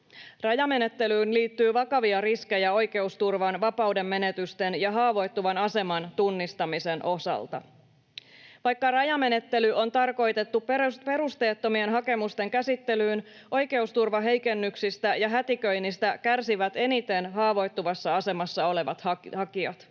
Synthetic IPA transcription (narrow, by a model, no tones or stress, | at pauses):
rɑjɑme̞ne̞t̪ːe̞lyːnliːt̪ːyːʋɑkɑʋiɑriske̞jæo̞jke̞ust̪urʋɑnʋɑpɑude̞mːe̞ne̞t̪yst̪e̞njɑɦɑːʋo̞jt̪ːuʋɑnɑse̞mɑnt̪unːist̪ɑmise̞nʔo̞sɑ̰lt̪ɑ̰ | ʋɑjkːɑrɑjɑme̞ne̞t̪ːe̞lyʔo̞nt̪ɑrko̞jt̪e̞t̪ːuppe̞ɾust̪e̞ːt̪ːo̞mie̞nɦɑke̞must̪e̞ŋkæsit̪ːe̞lyːn | ʔo̞jke̞ust̪urʋɑɦe̞jke̞nːyksist̪æjɑɦæt̪ikø̞jnːist̪ækærsiʋæt̪e̞nit̪e̞nɦɑːʋo̞jt̪ːuʋɑsːɑɑse̞mɑsːɑo̞le̞ʋɑt̪hɑhɑkiɑt̪